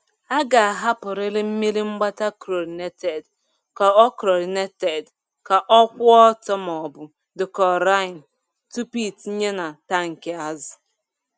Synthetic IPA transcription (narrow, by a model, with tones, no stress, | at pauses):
a˦ɡa˨a˨ɦa˦pʊ˨ɾɪ˦ɾɪ˦m̩˦mi˦ɾi˦ŋ͡m̩˦ɡ͡ba˦ta˦kɾo˨ɾne˦te˨d | ka˨ɔ˦kɾo˨ɾne˦te˨d | ka˨ʔɔ˦kʷʊ˦ɔ˦tɔ˦m˨ɔ˨bʊ˨ | dʊ˨kɔ˨ɾa˦ɪ˨n̩˨ | tu˦pi˦t̩˨˦ɲe˦na˨ta˦ŋ̩˨ke˦a˦zʊ˨